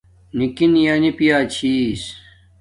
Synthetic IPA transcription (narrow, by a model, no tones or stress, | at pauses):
nikinjanipijaːt͡ɕʰis